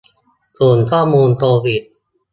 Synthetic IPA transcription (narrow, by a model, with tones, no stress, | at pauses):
su˨˩ənkʰɔː˥˩mːuː˧nt̪oː˧pi˨˩t̪̚